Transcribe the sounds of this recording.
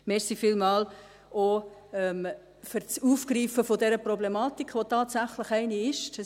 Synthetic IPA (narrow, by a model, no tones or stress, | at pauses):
meːɾsifɪlmɑːl | ʔoɛm | fɪɾt͡suːfkɾiːfəfodɛɾəprɔblemɑːtikχʋotɑːtsæχləχɛɪniɪʃt